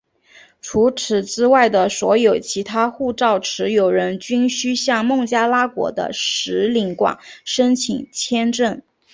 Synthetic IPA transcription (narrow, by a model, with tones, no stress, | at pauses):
ʈ͡ʂʰu˧˥ʈ͡ʂʰɻ̩˨˩t͡sɹ̩ɻ̩˥wa˥˩ɪd̪ə˩swɔ˧˥jo˨˩ʊt͡ɕʰi˧˥t̪ʰa˥xu˥˧ʈ͡ʂɑ˥˩ʊʈ͡ʂʰɻ̩˧˥jo˨˩ʊɻə˧˥nt͡ɕy˥nɕy˥ɕjɑ˥˧ŋmɤ˥˩ŋt͡ɕja˥la˥kwɔ̰˧˥d̪ə̰˧ʂɻ̩˧˥li˧˥ŋkwa̰˨˩˦nʂə˥nt͡ɕʰḭ˨˩ŋt͡ɕʰjɛ˥nʈ͡ʂə˥˩n